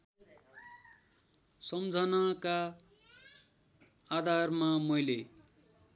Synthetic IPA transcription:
sʌmd͡zʱʌnaka | d̪ʱarmamʌjle

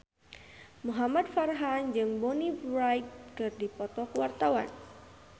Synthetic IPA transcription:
muɦamad̚farɦand͡ʒɨŋbɔnibɾajk̚kɨrdipɔt̪ɔkuwart̪awa̰n

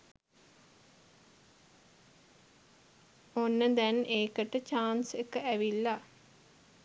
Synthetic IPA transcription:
onːəd̪ɛneːkəʈət͡ʃaːnsekəæʋilːa

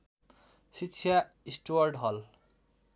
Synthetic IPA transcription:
sisʰja | isʈowaɾɖɦɔl

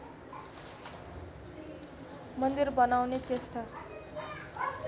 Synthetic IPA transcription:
mʌnd̪irbʌnawnet͡sesʈ̪a

